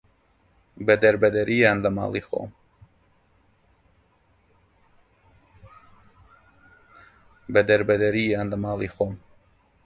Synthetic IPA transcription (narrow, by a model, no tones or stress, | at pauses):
bəd̪əɾbəd̪əɾijaːnləma̰ːlˠiːxo̰ːm | bəd̪əɾbəd̪əɾiːjaːnləmaːlˠixoːm